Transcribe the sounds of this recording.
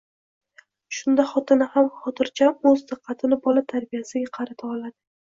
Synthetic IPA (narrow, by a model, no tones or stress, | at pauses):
ʃʊnd̪aχɒt̪ʰɪnɪhamχɒt̪ʰɪɾt͡ʃʰamɵzd̪ɨqʰːɑt̪ʰɪnɪbɒlat̪ʰaɾbijasɪɡʲaqʰɑɾat̪ʰaɒlad̪ɪ